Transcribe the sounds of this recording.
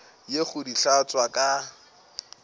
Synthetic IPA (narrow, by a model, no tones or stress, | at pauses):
jeχʊdiɬat͡sʼwakʼa